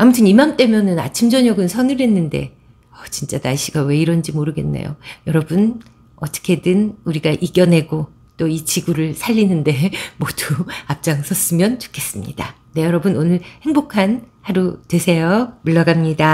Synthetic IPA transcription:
amutʰɯnimamt͈e̞mjʌnɯna̰t͡ɕʰimd͡ʑʌɲʌɡɯnsʰʌnɯɾe̞nːɯnde̞̰ | ʌt͡ɕint͡ɕ͈anaɭɕ͈ʰiɡawe̞iɾʌnd͡ʑimoɾɯɡe̞nːḛjo̰jʌɾʌbɯn | ʌt͈ʌ̥kʰe̞dɯnuɾiɡaʔiɡjʌnɦe̞ɡo | t͈oit͡ɕiɡuɾɯɭsʰaʎːinɯnde̞moduap̚t͡ɕ͈aŋsʰʌs͈ɯmjʌnt͡ɕu̥kʰe̞s͈ɯmɲḭda̰ | ne̞jʌɾʌbɯnonɯɭhe̞ŋbokʰanhaɾudwe̞sʰe̞jomuɭːʌɡamɲida

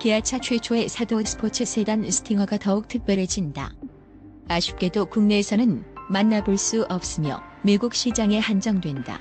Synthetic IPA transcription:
keat͡ɕʰat͡ɕʰwe̞t͡ɕʰoe̞sʰadosʰɯ̥pʰot͡ɕʰesʰe̞dansʰɯ̥tʰiŋʌɡatʌuk̚tʰɯk̚p͈jʌɾed͡ʑinda̰ | aɕʰi̥p̚k͈e̞dokuŋne̞ːsʰʌnɯnmanːabɯɭs͈uʔʌp̚s͈ɯmjʌ | miɡuk̚ɕ͈ʰid͡ʑaŋe̞hand͡ʑʌŋdwe̞nda̰

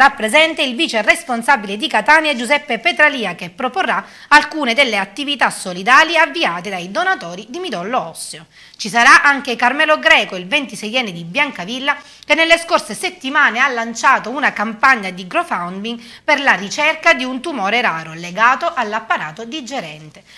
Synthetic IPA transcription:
ɾapːɾezɛnt̪eilviːt͡ʃeresponsabiled̪ikat̪aːnjad͡ʒuzɛpːepet̪ɾaliːakepːɾoporːa | alkuːned̪elːeat̪ːivit̪asːolid̪aːljavːiaːt̪ed̪ajd̪onat̪ɔːɾid̪imid̪ɔlːoɔsːeo | t͡ʃisaɾaʔaŋkekarmɛːloɡɾɛːkoilvent̪isɛjɛnːed̪ibjaŋkavilːa | kenːelːeskorseset̪ːimaːnealːant͡ʃaːt̪ounakampaɲːad̪iɡɾofawnd̪iŋ | perlarit͡ʃɛrkad̪iunt̪umɔːɾeɾaːɾoleɡaːt̪oʔalːapːaɾaːt̪od̪id͡ʒeɾɛnt̪e̥

